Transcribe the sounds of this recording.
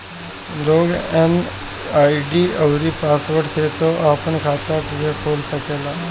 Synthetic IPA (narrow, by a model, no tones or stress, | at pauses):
loɡɛn | aiɖiːəwɾiːpasʋəɽset̪oʔapəɳkʰat̪akuɡekʰoːlsəkela